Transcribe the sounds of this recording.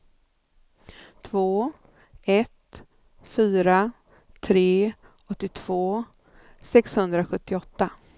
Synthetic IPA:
t̪ʰvoː | ɛt̪ | fyːɾa | t̪ʰɾeː | ɔt̪ːɪt̪ʰv̥oː | sɛkshɵnd̪ɾaɧɵt̪ːɪɔt̪ːa

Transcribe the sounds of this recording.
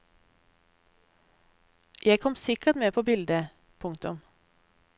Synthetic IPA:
jæɪkʰɔmsɪkət̪meːpʰoːbɪld̪ə | pʰʊŋkt̪ʊm

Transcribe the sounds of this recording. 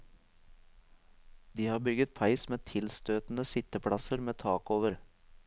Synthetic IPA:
d̪iːhɑːbʏɡət̪̚pʰɑɪsmeːt̪ʰɪlst̪øːt̪n̩əsɪt̪əpʰɽɑsəɾmeːt̪ʰɑːkoːʋəɾ

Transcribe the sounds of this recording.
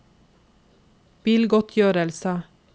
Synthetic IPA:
b̥iːlɡɔt̪ʰjøːɾəlsə

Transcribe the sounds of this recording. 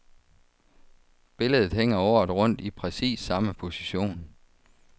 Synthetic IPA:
b̥e̝ləð̞ˠð̩ˠɦeŋ̰ɐɒʊɐðˠʁɔ̽n̰d̥ipʰʁɛsḭːsːɑ̈məpʰo̝siɕo̝̰ːn

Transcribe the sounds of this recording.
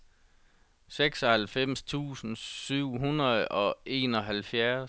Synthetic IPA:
seɡ̥sɒ̽hælfem̰st͡sʰṵːsn̩syʊ̰ɦunɐðˠɒ̽e̝̰ːnɒ̽ɦælfjæɐ

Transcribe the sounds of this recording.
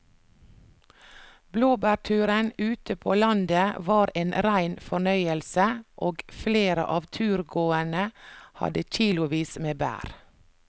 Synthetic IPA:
bloːbæːɾtʰʉːɾənʉːt̪əpʰoːlɑnd̪əʋɑːɾeːnɾæɪnfɔɳœʏəlsəʔoːɡfleːɾə̰ʔɑːʋt̪ʰʉːɾɡoːənəhɑ̰d̪əc͡çiːlʊʋiːsmeːbæ̰ːɾ

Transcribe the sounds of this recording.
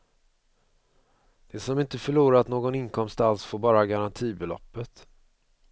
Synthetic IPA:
d̪̥ɛsɔmɪnt̪əfœɭuːɾaat̪noːɡɔnɪnkʰɔmst̪alsfoːɾbɑːɾaɡaɾant̪ʰiːbɛlɔ̰pːət̪

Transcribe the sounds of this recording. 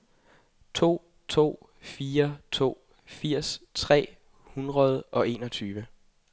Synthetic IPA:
t͡sʰo̝̰ː | t͡sʰo̝̰ː | fiːɐt͡sʰo̝̰ː | fiɐ̰st͡sʰʁɛ̰ː | hunʁɐð̞ˠʔɒ̽e̝ːnɒ̽t͡sʰyːʋə

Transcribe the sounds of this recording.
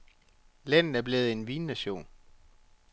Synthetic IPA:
læn̰ð̩ˠæɐb̥le̝ːð̞̩ˠe̝nʋiːnːæɕo̝̰ːn

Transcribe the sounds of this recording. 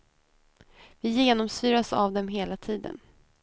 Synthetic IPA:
vɪjeːnɔmsyːɾasa̰vd̪ɛmɦeːlat̪ʰiːd̪ə̰n

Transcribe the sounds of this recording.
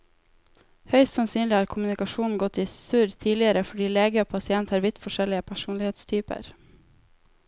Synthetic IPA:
hœʏst̪sɑnsyːnlɪɑːɾkʰʊmʉnɪkɑʃuːn̩ɡɔt̪iːsʉɾt̪ʰiːlɪəɾəfɔɖiːleːɡəoːpʰɑsɪɛnt̪hɑːɾʋɪt̪fɔʃɛlɪəpʰæʃuːnlɪheːt̪st̪ʰyːpə̰ɾ

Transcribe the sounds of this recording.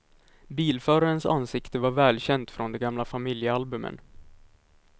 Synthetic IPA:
biːlfœːɾaɾənsa̰nsɪkt̪əvaɾvɛːlɕɛnd̪fɾɔnd̪ɛɡamlafamɪljəalbɵmːə̰n

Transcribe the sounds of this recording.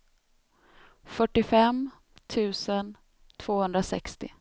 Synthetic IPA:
fœʈːɪfɛm | t̪ʰʉ̟ːsən | t̪ʰv̥oːhɵnd̪ɾasɛ̰kst̪ɪ̰

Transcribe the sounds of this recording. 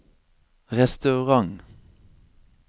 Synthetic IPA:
ʁɛst̪ɑʉʁɑŋ

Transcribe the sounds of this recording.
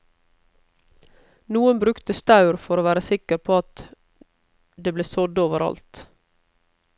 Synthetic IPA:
nuːənbɾʉkt̪əst̪ɑʉɾfɔɾoːʋæːɾəsɪkəɾpʰoːɑt̪ | d̪eːbleːsɔd̪oːʋəɾʔɑ̰lt̪

